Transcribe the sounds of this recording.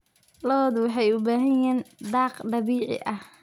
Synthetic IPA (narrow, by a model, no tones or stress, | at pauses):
lɔd̪wɑħɑjʊbaːɦɐjjɛːnd̪ɑːqɖɑβiːʕɪ̰ʔɐh